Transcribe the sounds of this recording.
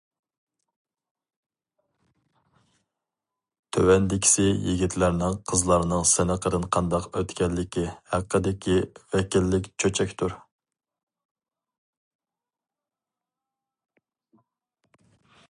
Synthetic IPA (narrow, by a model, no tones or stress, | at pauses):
t̪ʰøwɛnd̪ɪkʲʰɪ̥sɪjiɡʲit̪ʰlæɾnɪŋqʰəzlˠɑɾnɨŋsɪnɪqʰəɾɨnqʰɑnd̪ɑqøt̪kʲɛlːɪkʲihæqːəd̪ɪkʲʰivɛkʲilːɪkʲt͡ʃʰøt͡ʃʰɛkʲt̪ʰuɾ